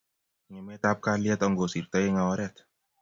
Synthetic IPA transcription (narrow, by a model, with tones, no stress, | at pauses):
ŋɛ˨me˦t̪a˦p̚ka˦liɛ˦t̪ɔ˧ŋɡo˨si˨ɾt̪ə˦je˦ŋa˧˨ɔ˧˦ɾɛ˦t̪